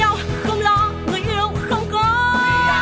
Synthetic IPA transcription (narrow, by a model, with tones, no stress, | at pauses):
a˧wxə˧wŋ͡mlɔ˨˧˦ŋɨ˨˩jt̪a˧ɗə˧˩xə˧wŋ͡mkɔ˨˦